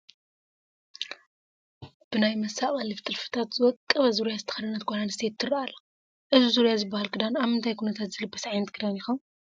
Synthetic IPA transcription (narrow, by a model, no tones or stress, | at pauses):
b̥ɨnajmɐsaχʼɐlift̪ʰʼɨlfɨ̥t̪ʰat̪zɨwɔkʼːɐβɐzuɾjazɨt̪ʰɐ̥xɐd̪ɨnɐt̪̚ɡʷaɾanst̪ʰe̞t̪ʰːɨrɐʔalːɐ | ʔɨzuzuɾjazɨbːahalkʰɨd̪anaβhɨnt̪ʰajkʰunɐt̪ʰat̪zɨlɨbːɐsʕajnɐt̪̚kʰɨd̪anjixon